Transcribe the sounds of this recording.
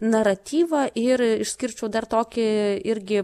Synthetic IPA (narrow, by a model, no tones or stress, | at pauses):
nɐɾɐt̪ʲiːʋɐʔɪrɪʃsʲkʲɪrʲt͡ʃʲɛʊd̪ɐrt̪oːkʲɪɪɾʲɡʲɪ